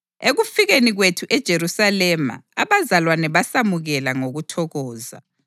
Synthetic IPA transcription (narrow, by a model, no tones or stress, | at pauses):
eɣufiɣeniɣwetʰuʔɛd̥ʒ̥ʱerusalɛma̰aβazalwanɛβasamuɣɛlaŋoɣutʰɔɣɔːza̰